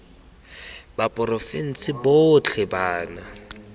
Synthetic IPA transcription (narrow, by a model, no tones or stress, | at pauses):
bapʼʊrɔfen̩sɪbot͡ɬʰɛbaːna